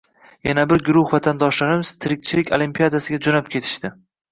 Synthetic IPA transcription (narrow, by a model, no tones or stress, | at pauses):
janabɪɾɡʊɾʊhvat̪ʰand̪ɒʃlaɾɪmɪz̥t̪ʰɪɾɪk̚ʲt͡ʃʰɪlɪkʲʰolimpijad̪asɪɡʲad͡ʒonap̚kʲʰe̞t̪ʰɪ̥ʃt̪ɪ